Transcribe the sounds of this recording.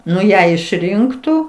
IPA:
ˈnʊ ˈjæː ɪʃʲˈrʲɪŋktuː

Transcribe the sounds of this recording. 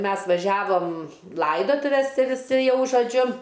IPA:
ˈmʲɛs ʋɐˈʒʲæːʋoːm ˈlˠɐɪdoːtʊʋʲɛs ˈtʲɪ ʋʲɪˈsʲɪ ˈjɛʊ ʒoːˈd͡ʒʲʊ

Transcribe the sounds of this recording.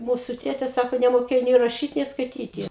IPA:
ˈmuːsʊ ˈtʲeːtʲɛ ˈsɑːkoː nʲɛmoːˈkʲeːjoː nʲeː rɐˈʃʲiːt nʲeː skɐɪˈtʲiːtʲɪ

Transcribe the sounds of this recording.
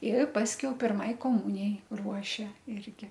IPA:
ɪr ˈpɑːsʲkʲɛʊ pʲɪrˈmɐɪ koːˈmʊnʲɪjɛɪ ˈruɔʃʲɛ ˈɪrʲɡʲɪ

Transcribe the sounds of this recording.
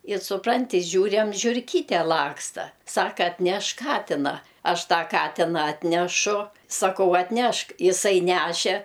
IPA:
ɪ sʊˈprɐnʲtʲɪ ˈʒʲuːrʲæm ʒʲʊrʲˈkʲiːtʲɛ ˈlˠɑːkstɐ ˈsɑːkɐ ɐtʲˈnʲɛʃk ˈkɑːtʲɪnɐ ˈɐʃ ˈtɑː ˈkɑːtʲɪnɐ ˈɑːtʲnʲɛʃʊ sɐˈkɐʊ ɐtʲˈnʲɛʃk ɪˈsɐɪ ˈnʲæʃʲɛ

